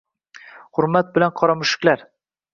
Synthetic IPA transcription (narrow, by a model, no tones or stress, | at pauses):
hʊɾmat̪̚bɪlanqʰɒɾɒmʊʃɪ̥kʲlaɾ